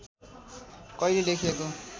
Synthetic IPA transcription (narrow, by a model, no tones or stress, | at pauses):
kʌilelekʰijeko